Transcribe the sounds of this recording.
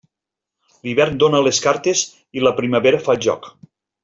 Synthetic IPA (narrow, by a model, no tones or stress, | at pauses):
liβɛɾnd̪onəleskaɾt̪ez | iləpɾiməβeɾəfaʒɔ̰k